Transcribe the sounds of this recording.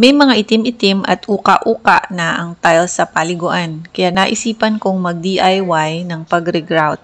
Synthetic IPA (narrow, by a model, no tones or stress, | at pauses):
mɛjmɐŋaʔɪt̪ɪmɪt̪ɪmʔɐ̰t̪ʔuːkaʔuːkaʔnɐʔɐŋt̪ajlsɐpalɪɡoʔankɐjanɐʔɪsiːpɐnkoŋmɐɡ̚d̪iʔajwajnɐŋpɐɡɾɛɡɾawt̪̚